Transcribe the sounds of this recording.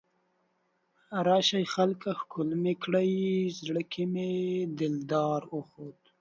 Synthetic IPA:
ɾɑʃajxalkaxkʊlmekɽajzɽəkʰimed̪ɪld̪ɑːɾoxod̪

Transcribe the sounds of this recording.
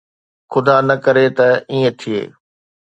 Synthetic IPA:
xʊd̪anɐkɐɾet̪ɐiːə̃t̪ʰiḛː

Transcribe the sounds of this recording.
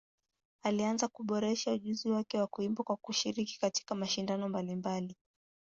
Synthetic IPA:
alianzakuɓɔɾɛʃauʄuziwakɛwakuimbɔkwakuʃiɾiki̥kati̥kamaʃindanɔmbalimbali

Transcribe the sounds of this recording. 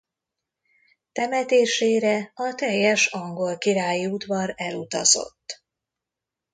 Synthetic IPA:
t̪ɛmɛt̪eːʃeːɾɛɒt̪ɛjːɛʃɒŋɡo̞lkiɾaːjiud̪vɒɾɛlut̪ɒ̰zo̞̰t̪ː

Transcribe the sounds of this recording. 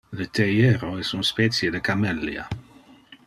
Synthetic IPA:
ðət̪ʰejeɾoɛsunspɛːt̪sjəd̪əkamɛlːj̰a̰

